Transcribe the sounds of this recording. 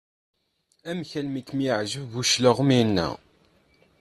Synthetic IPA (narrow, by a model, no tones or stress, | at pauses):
æmçælmikːmjəʕʒəvvuʃləʁminːæ̰